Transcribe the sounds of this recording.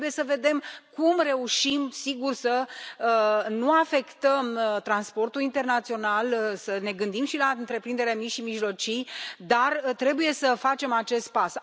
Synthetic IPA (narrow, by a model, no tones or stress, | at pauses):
buje̞səve̞d̪e̞mkumre̞uʃimsiɡursə | nuafe̞kt̪əmt̪ɾanspo̞rt̪ulint̪e̞rnat̪sio̞nalsəne̞ɡɨnd̪imʃilaɨnt̪ɾe̞pɾind̪eɾeamiʃimiʒlo̞t͡ʃijd̪art̪ɾe̞buje̞səfat͡ʃe̞mat͡ʃe̞st̪̚pas